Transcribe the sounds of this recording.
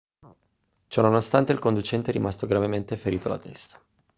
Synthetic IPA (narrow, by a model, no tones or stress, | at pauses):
t͡ʃɔnonost̪ant̪eilkond̪ut͡ʃɛnt̪eɛɾimast̪oɡɾavement̪efeɾiːt̪o̰la̰t̪ɛst̪ḁ